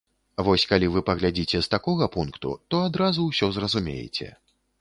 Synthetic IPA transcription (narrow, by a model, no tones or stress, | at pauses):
vɔsʲkalʲivɨpɐɣlʲad͡zʲit͡sʲɛst̪akɔɣɐpunkt̪ṵt̪ɔad̪ɾazuwsʲɔzrɐzumʲḛjɛ̰t͡sʲɛ̰